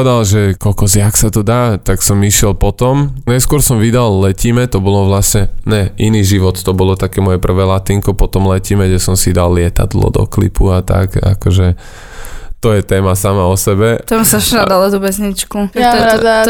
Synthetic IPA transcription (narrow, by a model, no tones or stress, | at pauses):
ɛd̪alʒɛkɔlkɔzɪaksat̪ɔd̪aːt̪aksɔmiʃɪɛlpɔt̪ɔmnajskʊɔɾsɔmʋid̪allɛcimɛt̪ɔbɔlɔʋlasɲɛɲɛʔiniːʒiʋɔt̪t̪ɔbɔlɔt̪akɛːmɔjɛpr̩ʋɛːlat̪iŋkɔpɔt̪ɔmlɛcimɛɡɟɛsɔmsid̪alːɪɛt̪a̰d̪lɔ̰d̪ɔ̰klḭpuat̪a̰ka̰kɔʒɛ | t̪ɔjɛt̪ɛːmasamaɔsɛbɛt̪ɔmsaʃad̪alɔd̪ubɛzɲit͡ʃku